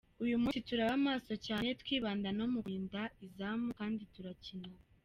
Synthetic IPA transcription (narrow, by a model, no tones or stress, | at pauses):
ujumuituɾaβamaːso̞caːnetwiːβaːndanomuɡiːndaizaːmukaːndituɾacina